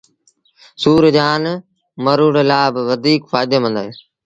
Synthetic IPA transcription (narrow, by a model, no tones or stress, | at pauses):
suːɾd͡ʒaːn | məɾuːɽelaːbʋəd̪ʱiːkfaːɪd̪eːmə̃nd̪aɦe